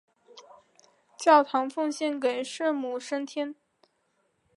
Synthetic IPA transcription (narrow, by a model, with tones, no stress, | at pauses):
t͡ɕjɑ˥˩ʊt̪ʰɑ˧˥ŋfu˥˧ŋɕjɛ˥˩nke˨˩ɪʂ̩˥˧mu˨˩ʂə˥nt̪ʰjɛ˥n